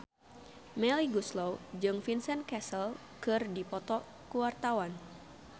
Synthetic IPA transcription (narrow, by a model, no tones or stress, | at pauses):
mɛliɡuslowd͡ʒɨŋfinsɛnkɛsəl | kɨrdipɔt̪ɔ | kuwart̪awan